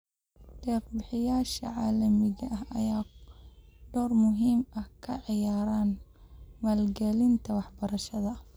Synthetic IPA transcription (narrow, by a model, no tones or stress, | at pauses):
d̥ɛːqbɪħɪjaːʃɐ̰ʕaːlɐmɪɣɐʔɐɦɐjaː | ɖ̥ɔːrmʊɦiːmɐhkʰɐʕɪjaːɾaːn | mɐlɡɛlɪnt̪ʰɐwɑħbɐɾɐʃɐðɐ